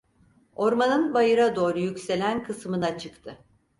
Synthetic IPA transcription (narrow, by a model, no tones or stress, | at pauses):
o̞ɾmanɯnbajɯɾad̪o̞ːɾujycse̞lʲænkʰɯsmɯnat͡ʃʰɯkt̪ʰɯ